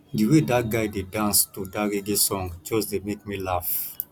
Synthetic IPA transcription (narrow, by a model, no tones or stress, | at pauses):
diwedat̚ɡajdedãnstudaɹiɡesɔ̃ŋt͡ʃozdemek̚milaf